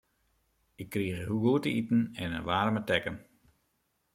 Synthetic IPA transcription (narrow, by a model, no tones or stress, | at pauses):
ɪkʰːriːɣəɦuɡoːtəitn̩ɛnə̰ʋaːrmətɛkən